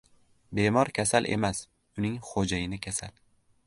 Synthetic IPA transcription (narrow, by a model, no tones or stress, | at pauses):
be̞mɒɾkʲʰasalʔe̞̰mas | ʊnɪŋχod͡ʒajɪnɪkʲʰasal